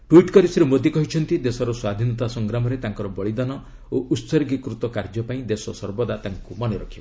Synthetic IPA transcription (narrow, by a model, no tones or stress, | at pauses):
ʈwiʈkɔɾisiɾemod̪ikɔɦit͡ʃʰɔnt̪id̪esɔɾɔswad̪ʱinɔt̪asɔŋɡɾamɔɾet̪aŋkɔɾɔbɔɭid̪anɔ | oʔut̪sɔɾiɡikɾut̪ɔkaɾd͡ʒɔpaĩd̪esɔsɔɾbɔd̪at̪aŋkumɔneɾɔkʰibɔ